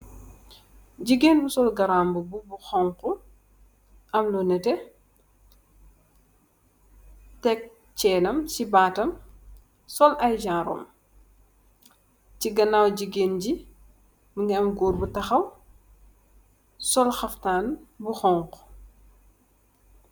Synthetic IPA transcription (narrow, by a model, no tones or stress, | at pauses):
ɟiɡeːnbusɔlɡɐɾaːmbububuxɔŋku | ʔɐmlɔnɛtɛ | tɛk̚ | t͡ʃɛːlɐmsibaːtɐm | sɔlɐjd͡ʒaːɾɔ̰ːm | ciɡɐnaːwɟiɡeːnɟi | muŋɛɐmɡuːɾbutɐxɐw | sɔlxɐftaːnbuxɔŋqu̥